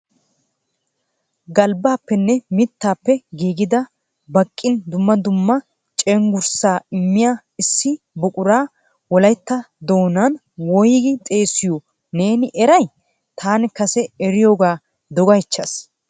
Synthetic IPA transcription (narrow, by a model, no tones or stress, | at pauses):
ɡɐlbaːpːɛnːɛmɪt̪ːaːpːɛɡiːɡɪd̪ɐ | bɐkʼːɪnd̪ʊmːɐd̪ʊmːɐ | t͡ʃʼɛŋɡʊɾsaːɪmːɪjaː | ɪsːɪ | bʊkʼʊɾaː | wɔlɐjt̪ːɐ | d̪o̞ːnɐn | wɔjɡɪt̪ʼe̞ːsɪjo | neːnɪʔɛɾɐj | t̪ʰaːnɪkɐsɛɛɾɪjoːɡaː | d̪ɔɡɐjt͡ʃːɐs